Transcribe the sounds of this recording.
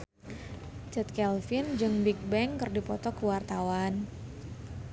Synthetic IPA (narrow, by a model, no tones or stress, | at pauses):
t͡ʃɛt̪̚kɛlfɪnd͡ʒɨŋbik̚bɛŋkɨrdipɔt̪ɔkəwart̪awan